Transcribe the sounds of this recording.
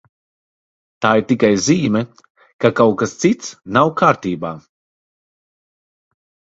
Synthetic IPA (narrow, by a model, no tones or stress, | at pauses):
t̪aːiɾt̪ikajziːmɛ | kakawkast̪sit̪snawkʰaːɾt̪iːbaː